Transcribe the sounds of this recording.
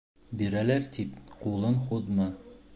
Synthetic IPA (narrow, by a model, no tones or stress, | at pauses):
biɾælæɾt̪ipqulˠɤnχud̪mɤ